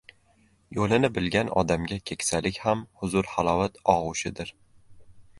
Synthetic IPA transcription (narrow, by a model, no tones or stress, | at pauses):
jolɪnɪbɪlɡʲanʔɒ̰d̪amɡʲakʲʰe̞kʲsalɪkʲhamhʊzʊɾhalˠɒvat̪ɒʁʊʃɪd̪ɪɾ